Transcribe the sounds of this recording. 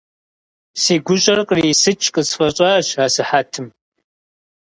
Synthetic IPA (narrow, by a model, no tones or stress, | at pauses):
siːɡʷʊɕʼɐrqʼriːsɨt͡ʃʼqʼəsfɐɕʼaɕaːsɨħatʰɨm